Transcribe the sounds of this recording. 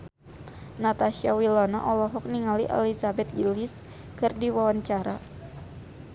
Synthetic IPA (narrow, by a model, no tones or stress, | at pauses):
nat̪aʃiawilɔnaʔɔlɔɦɔk̚niŋaliʔɛ̰lizabɛt̪̚ɡilis | kɨrdiwawaɲt͡ʃaɾa